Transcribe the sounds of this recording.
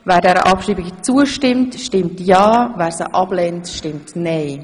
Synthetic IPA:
væːɾdɛɾə̰ʔɑpʃɾiːbɪɡt͡suəʃtɪmtʃtɪmtjɑːvæːɾsəʔɑblɛntʃtɪmtnɛɪ

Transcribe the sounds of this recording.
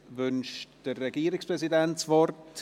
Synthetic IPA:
vʏnʃtd̥əːɛɡiːɾɪkspʁɛzidɛntsvɔrt

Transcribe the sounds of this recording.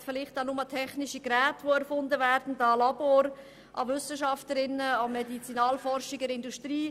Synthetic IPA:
fɪlɪχtanʊmətʰɛχnɪʃiɡɾɛːtʋoɛɾfʊndəvæːɾd̥n̩dɑːlɑboːɾ | ʔɑ̰vʏsəʃɑftəɾɪnəɑmɛdit͡sinɑːlfɔrʃiɡɛɾɪndustɾiː

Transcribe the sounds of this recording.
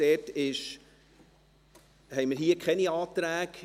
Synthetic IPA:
ɛːtɪʃ | hɛɪmɪɾɦiəkχɛniɑːt̪ɾæːɡ̥

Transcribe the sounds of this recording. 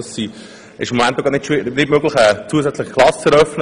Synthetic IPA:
si | ʔɪ̰ʃɪmːomænt̪ːoɡɑt̪nɪtʃʋɪnɪdmøɡlɪxɛːt͡suːəsɛt͡slɪχklɑsəɾœfnə

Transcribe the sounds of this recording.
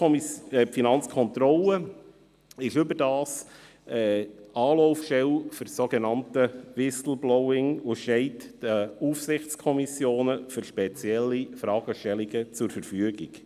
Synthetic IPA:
pfinɑnt͡skʰɔnt̪ɾɔlə | ɪʃʏbədɑːs | ɛːɑːloʊfʃɛlfʏɾsoɡɛnɑntəvɪsl̩blɔwɪŋuʃɛɪtːəufsɪχt͡skʰɔmisjoːnəfʏɾʃpɛt͡sjɛlːifɾɑːɡ̥əʃtɛliɡət͡sʊɾfəɾfyəɡiɡ̥

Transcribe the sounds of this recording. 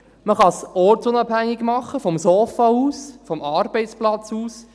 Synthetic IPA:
məχɑsɔɾtt͡sʊnɑbhæŋːiɡmɑχːəfɔmsoːfɑuːsfɔmɑːɾbɛɪt͡splɑt͡suːs

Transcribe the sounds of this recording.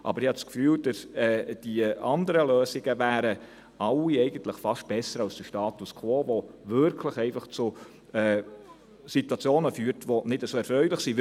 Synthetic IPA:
ʔɑ̰bəɾɪhɑskfyːld̥əsɛːd̥iɑnd̪əɾəløːsɪɡ̥əvæːɾə | ʔɑlːiɛɪɡ̥ənt̪ləχfɑʃt̚b̥ɛsəɾɑlst͡səʃtɑːt̪uskʰʋoːvɔvɪɾkʰləχɛɪfɑχt͡su | ɛ | situɑt͡sjoːnəfyːəɾtʋɔnɪdəsoːɛɾfɾœʏlɪχsi

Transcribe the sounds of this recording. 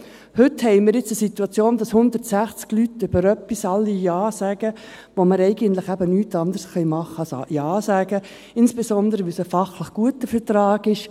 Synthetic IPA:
hʏthɛɪmɪɾjɪt͡səsit̪uɑt͡sjoːndɑshʊnd̪ərtsæχt͡sklytʏb̥əɾœpːisɑlːijɑːsæɡə | ʋoməɾɛɪɡənt̪lɪχæbənyːtɑnd̪əɾsχœjmɑχːəsjɑːsæːɡ̥ə | ɪnsb̥esɔnd̪əɾəʋɪsəfɑχləχɡ̥uətəfəɾtɾɑːɡɪʃ

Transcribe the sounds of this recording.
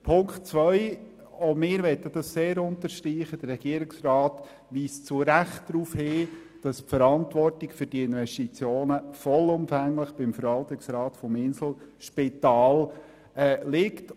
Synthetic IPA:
pʰʊŋkχtt͡svœʏ | ɔmɪːɾʋɛtːəd̥ɑsseːɾʊntəɾʃtɾiːχəd̥ərːɛɡ̥iəɾɪksrɑːt | ʋiːst͡sʊɾæχtd̥ɾuːfhɪː | d̥ɑspfəɾɑntʋɔrtɪkfʏɾd̥iɪnʋɛʃtit͡sjoːnəfɔlʊmfæŋləχb̥ɪmfəɾʋɑlt̪ɪksɾɑːtfɔmɪnsl̩ʃpɪtɑːl | ɛːlɪkt

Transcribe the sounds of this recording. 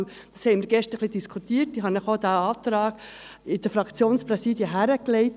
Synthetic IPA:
d̥ɑshɛɪmɪɾɡ̥ɛʃtəχlid̪iskʰut̪iːtiɦɑnəχod̪æɑːt̪ɾɑːɡ̥ | ɪd̥əfɾɑkʰt͡sjoːnspɾɛsiːdiəɦæɾəklɛɪt

